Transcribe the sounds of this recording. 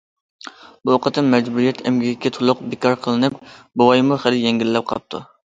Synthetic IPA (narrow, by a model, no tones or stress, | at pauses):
buoqət̪ʰːɨnmɛd͡ʒbuɾijɛt̪ʰɛmɡʲiɡʲɪkʲʰːɛt̪ʰolˠʊq̚bɪkʰɑɾqʰəlˠɨnɨp̚bowɑjmuχæljeŋɡʲilːɛp̚qʰɑp̚t̪ʰṵ